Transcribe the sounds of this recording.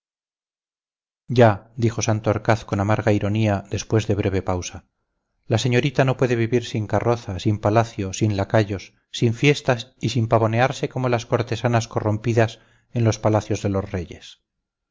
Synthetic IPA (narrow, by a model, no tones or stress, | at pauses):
ɟ͡ʝad̪ixo̞sant̪oaɾkaθko̞namaɾɣaiɾo̞niaðe̞spwe̞zðeβ̞ɾe̞β̞e̞pawsa | lase̞ɲo̞ɾit̪ano̞pwe̞ðe̞βiβiɾsiŋkaro̞θasimpalaθjo̞sinlakaʝo̞sː | iɱfje̞st̪asisimpaβo̞ne̞aɾse̞ko̞mo̞lasko̞ɾt̪e̞sanasko̞ro̞mpiðas | e̞nlo̞spalaθjo̞zðe̞lo̞zre̞je̞̰s